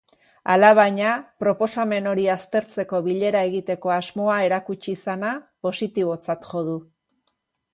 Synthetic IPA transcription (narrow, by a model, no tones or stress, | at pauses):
a̰laβ̞ajɲapɾo̞po̞same̞no̞ɾiast̪e̞ɾt͡se̞ko̞βiʎe̞ɾae̞ɣit̪e̞ko̞azmo̞ae̞ɾakut͡ʃisanapo̞sit̪iβ̞o̞t͡sat̪ʝo̞ð̞u